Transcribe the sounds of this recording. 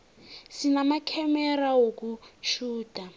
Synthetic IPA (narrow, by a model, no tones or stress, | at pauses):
sinamakʰɛmɛrawok̬ut͡ʃʰuːtʼa